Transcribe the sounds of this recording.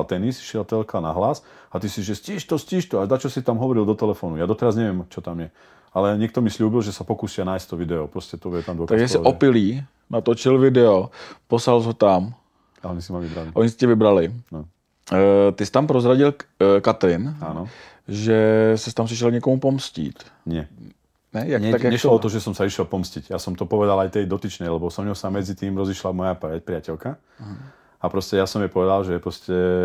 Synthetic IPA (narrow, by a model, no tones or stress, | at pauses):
lt̪ɛnisʃɪɛlt̪ɛlkana̰ɦlasat̪isiʒɛsciːʃt̪ɔsciːʃt̪ɔaʒd̪at͡ʃɔsit̪amɦɔʋɔɾild̪ɔt̪ɛlɛfɔnujaːd̪ɔt̪ɛɾazɲɛʋɛmt͡ʃɔt̪amjɛ | alɛɲɛk̚t̪ɔmisluːbilʒɛsapɔkuːsianajst̪t̪ɔʋid̪ɛɔpɾɔscɛt̪ɔjɛt̪amd̪ɔkt̪aɡʒjasɪɔpɪliː | nat̪ot͡ʃɪlvɪdɛoposalzɦot̪am | aɔɲisimavʋibɾaliʔɔɲisi̥cɛvɪbɾalɪn | t̪ɪst̪ampɾozɾaɟɪlkat̪ɾɪna̰nɔ | ʒɛsɛst̪ams̬iʃ̬ɛlɲɛkomupomscḭːt̪ | ɲɪɛ | nɛjakɲɛt̪akjaɲɛʃlɔɔt̪ɔʒɛsɔmsaiʃɛlpɔmsciɟjasɔmt̪ɔpɔʋɛd̪alajt̪ɛjd̪ɔt̪it͡ʃnɛjlɛbɔsɔmɲɔwsamɛd͡zit̪iːmɾɔziʃlamɔjapɛpɾɪacɛlka | ɦ | apɾɔscɛjasɔmjɛpɔʋɛd̪alʒɛpɾɔscɛ